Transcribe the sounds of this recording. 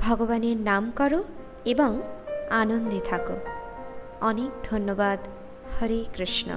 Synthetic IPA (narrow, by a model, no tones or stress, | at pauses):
bʱɔɡɔbanenamkɔɾu | ebɔŋanond̪ʱet̪ʰakṵ | ɔnekd̪ʱonːɔbad̪ | hʌɾikɾiʃnɔ̰